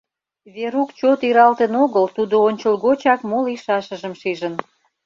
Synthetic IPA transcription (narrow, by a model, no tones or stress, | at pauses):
βeɾukt͡ɕot̪iɾɑlt̪ənoɣəlt̪ud̪oonʲt͡ɕəlɣot͡ɕɑkmoliʃɑʃə̆ʒəmʃiʒən